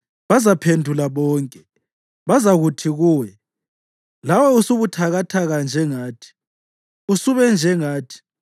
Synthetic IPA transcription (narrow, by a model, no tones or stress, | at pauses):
βazapʰendʱulaβɔːŋkʼɛ | βazaɣutʰiɣuːwɛ | lawɛusuβutʰaɣatʰaɣand͡ʒʱɛŋaːtʰi̥ | usuβɛnd͡ʒʱɛŋaːtʰi̥